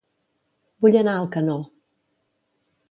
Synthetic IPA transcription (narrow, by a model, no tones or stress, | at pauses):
buʎenalˠkano